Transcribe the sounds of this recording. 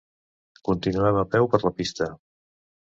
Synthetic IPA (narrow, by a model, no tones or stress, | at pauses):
kunt̪inuɛməpɛwpəɾləpist̪ə